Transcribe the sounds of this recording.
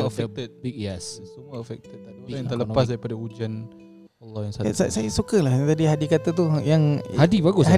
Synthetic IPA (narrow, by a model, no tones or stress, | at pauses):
əfɛk̚t̪ət̪̚ɛssəmuəəfɛk̚t̪ət̪̚oɾajaŋt̪ələpas̬daipadaud͡ʒan | alːɔhjaŋsaa̰sa̰sajasukalaht̪adiɦadikat̪at̪̬ujaŋhadibaɡʊs